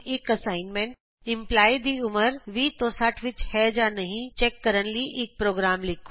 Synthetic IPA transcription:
ɪkɐsaːɪnmẽɳʈ | ɪ̃mplaːid̪iʊməɾʋiːt̪oːsaʈʰʋɪt͡ʃhɛd͡ʒaːnɐɦĩt͡ʃɛːkːɐɾənliʔɪk̚pɾoːɡɾaːmlɪkʰː

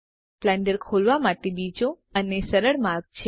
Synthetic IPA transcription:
plɛ̃ɳɖəɾkʰolʋamaʈebid͡ʒo | ənesəɾəɭmaɾɡ̚t͡ʃʰe

